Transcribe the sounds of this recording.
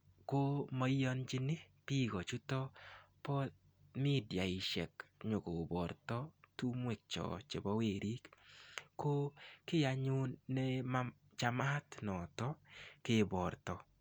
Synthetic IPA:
ko˦ma˦jɔ˦nd͡ʒɪ˦nɪ˦pi˦kɔ˨t͡ʃu˦tɔ˦pɔ˦t̚ | mi˦dja˨ɪ˨ʃɛ̰˨kɲʊ˨ko˨bɔ˨ɾtɔ˦tu˦mwɛ˨k̚t͡ʃɔ̰˨t͡ʃe˨bɔ˦we˨ɾʔi˦kː | o˦kɪ˦ja˨ɲʊ˦nːɛ˦ma˦ | t͡ʃa˨˦ma˦tnɔ˨tɔ˦kɪ˦bɔ˨ɾtɔ˦

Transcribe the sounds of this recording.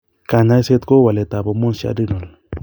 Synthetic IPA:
ka˨ɲa˦se˦t̪ko˦wa˨le˨t̪a˨bo˨mo˦nsa̰˦di˦no˨l

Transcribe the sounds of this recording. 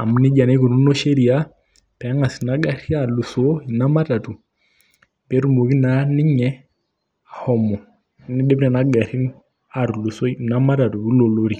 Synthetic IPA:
a˨m˦nɪ˦d͡ʒa˨ne˦ko˨nu˦no˦ʃe˦ɾi˨a˦ | pɛ˨a˦ŋa˨si˨na˦ɡa˨ɾi˦a˦˨lu˨so˦i˨na˦ma˦ta˨tu˨ | be˦ɾu˦˨mo˨ki˦na˨˦nɪ˦ɲɛ˦ | a˨hɔ˦mɔ˨˦ | nɪ˦ɗe˦bnɛ˨na˦ɡa˨ɾi˦n | a˨ɾlu˨so˦˨na˦ma˦ta˨tu˨bi˦lo˨lo˦ɾi˨

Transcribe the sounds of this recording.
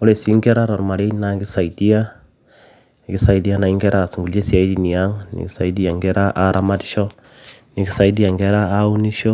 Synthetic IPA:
ɔ˦le˨si˦ŋɡɛ˦ɾa˦ɾɔ˨rma˨le˦na˨ɡi˦sa˨iti˦a˦˨ | ki˦sa˨idi˦a˦na˨i˦ŋɡɛ˦ɾa˦˨si˨ŋɡu˨lje˦si˦a˨i˦di˨ni˨a˦ŋnḭ˨ki˦sa˨id̬i˦a˨ŋɡɛ˦ɾa˦ʔa˨ɾʔa˦ma˦tʃɔ˦ | ni˨ki˦sa˦id̬i˦ja˨ŋɡɛ˦ɾa˦a˦u˦ni˦ʃo˦

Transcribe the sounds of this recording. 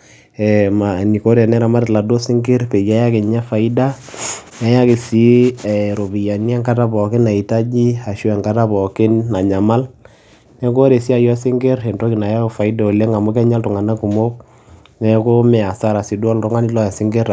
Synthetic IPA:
ɛ˨ma˨ni˨ko˦ɾɛ˨nɛ˦ɾa˨ma˦ɾtla˨do˦sɪ˦ŋɡɪ˦rpe˨d͡ʒa˨˦ja˦kɪ˨ɲa˦fa˨i˦da˦n˦a˨˦ja˦kɪ˨si˦˨ɾo˨bi˨ja˨ni˦ɛ˦ŋka˦ta˦pɔ˨kɪ˦na˨i˨ta˦d͡ʒi˦a˨ʃu˦ɛ˨ŋka˦ta˦pɔ˨kɪ˦nːa˨ɲa˨ma˦l | nɛ˦k̬o˦ɾe˨si˦a˨jɔ˦sɪ˦ŋɡɪ˦ɾɛ˨nto˦ki˨na˨ja˦o˨fa˨i˦da˨o˨lɛ˦ŋa˨mʊ˦k̬ɛ˦ɲa˦ltʊ˨ŋa˨na˦ku˨mo˦k̚ | nɛ˦ko˦mɛ˨a˨sa˦ɾa˨si˨du˦ɔ˦lɾʊ˦ŋa˦ni˦lɔ˦ja˨sɪ˦ŋɡe˦ɾ

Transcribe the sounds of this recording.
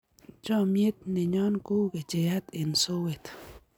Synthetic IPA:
t͡ʃɔ˦mje˦t̪̚nɪ˨ɲɔ˦nku˦ke˨t͡ʃe˨ja˦t̪e˨nso˦we˨t̪

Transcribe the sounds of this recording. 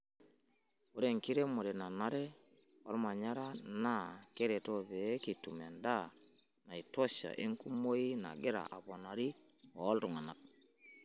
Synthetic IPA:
o˦ɾe˨ŋki˦ɾe˦mo˨ɾɛ˨na˨na˦ɾɛ˦ | ɔ̰˦lma˨ɲa˦ɾa˦na˦ke˦ɾɛ˨tɔ˦βɛ˨˦ki˨tṵ˨me˨nda˦ | na˨i˨tɔ˦ʃa̰˨ʔi˦ŋku˦mo˦ji˦na̰˨ɡe˦ɾa̰˨ʔa˨bo˨na˨ɾi˦ɔ˨˦ltu˨ŋa˨na˨k̚

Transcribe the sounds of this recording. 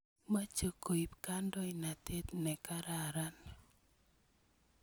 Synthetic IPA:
ma˦t͡ʃo˨ko˨i˨pka˦ndɔ˦i˨na˨te˦t̪nɛ˨ka˦ɾa˨ɾa˦n

